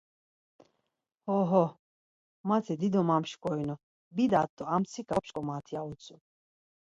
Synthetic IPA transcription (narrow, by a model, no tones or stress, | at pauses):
hɔɦɔ | mat̪ʰid̪id̪ɔmamʃkʼɔinɔ | bid̪at̪ʼːɔamt͡sʰikʰapʃkʼɔmat̪ʰiaut͡sʰʼu